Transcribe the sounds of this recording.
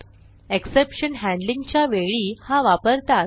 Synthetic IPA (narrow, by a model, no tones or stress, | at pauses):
eksepɕənɦæ̃ɳɖlĩŋɡt͡ɕjaʋeɭihãʋapəɾt̪a